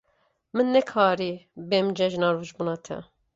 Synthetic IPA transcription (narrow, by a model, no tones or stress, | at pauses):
mɨnːɛkʰɑːɾibemd͡ʒɛʒnɑɾuːʒbuːnɑːt̪ʰɛ̰